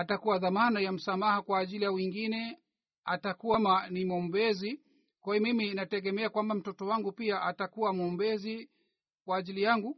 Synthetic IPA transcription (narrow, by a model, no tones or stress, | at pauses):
atakuwaðamanajam̩samahakwaːʄilijawiŋɡinɛ | a̰takuwamanimɔmbɛzi | kwajɔmiminatɛɠɛmɛakwambam̩tɔtɔwaŋɡupiaʔatakuwamɔmbɛzi | kwaːʄilijaŋɡu